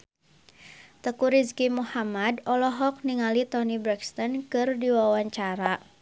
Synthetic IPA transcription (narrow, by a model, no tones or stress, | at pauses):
t̪əkuɾiskimuhamadɔlɔɦɔk̚niŋalit̪ɔnibɾɛkst̪ɔnkɨrdiwawaɲt͡ʃaɾa